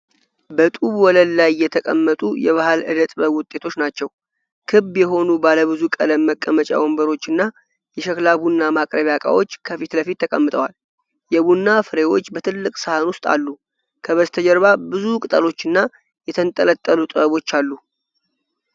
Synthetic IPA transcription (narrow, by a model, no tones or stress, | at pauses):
bət̪ʼuβwɔləlːajːɛt̪ʰəkʼəmːət̪ʼujɛβahalɨ̰d̪ət̪ʼbəβwʊt̪ʼe̞t̪ʰo̞t͡ʃːnat͡ʃːɛw | kʰɨbjɛɦo̞nubaləβɨzukʼə̰ləmːəkʼːəmət͡ʃʼa̰wombəɾo̞t͡ʃːɨnːa | jɛʃəklaβunːamakʼɾəβjakʼa̰wo̞t͡ʃːkʰəfit̪ləfit̪ːəkʼəmːɨt̪ʼəwal | jɛβunːafɨɾe̞wo̞t͡ʃːbət̪ʰɨlːɨkʼsəhanwʊst̪ʼa̰lːu | kʰəβəzt̪ʰəd͡ʒəɾβabɨzukʼɨt̪ʼəlo̞t͡ʃːɨnːa | jɛt̪ʰənt̪ʼələt̪ʼːəlut̪ʼɨbəβo̞t͡ʃːalːu